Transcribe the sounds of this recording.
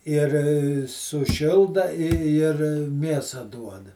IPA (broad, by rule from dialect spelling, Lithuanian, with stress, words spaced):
ɪr sʊˈʃʲɪlˠdɐ ɪ ɪr ˈmʲeːsɐ duɔdɐ